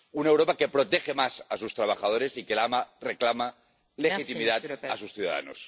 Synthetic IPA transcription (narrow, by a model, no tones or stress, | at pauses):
unewɾo̞pake̞pɾo̞t̪exemasasust̪ɾaβ̞axað̞o̞ɾe̞sikelamareklama | lexit̪imiðat̪asusθjuða̰ða̰no̰s